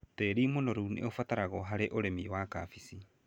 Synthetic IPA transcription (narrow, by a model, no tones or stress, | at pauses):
teɾimonɔɾunḛofataɾaɣɔɦaɾeʔoɾemiwakafisi